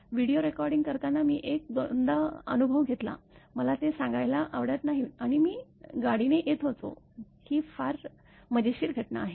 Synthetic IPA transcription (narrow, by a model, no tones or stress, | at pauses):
ʋiɽioɾekɔɾɖiŋɡkəɾt̪anːamiːʔek̚d̪ond̪aə̰nubʱəʋɡʱet̪la̰məlat̪esãŋɡajlaʔaʋɽət̪naɦiaɽ̃imiːɡaɽineʔet̪ɦot̪o̰ | kiːfaɾ | məd͡ʑeɕiːɾɡʱəʈna̰ːɦe